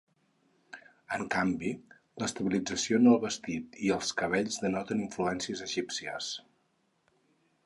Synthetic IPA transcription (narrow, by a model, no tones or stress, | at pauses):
əŋkambi | ləst̪əβilid͡zəsionəlˠβəst̪it̪iəlˠskəβ̞eʎzðənɔt̪əniɱfluɛnsiəzəʒipsiə̰s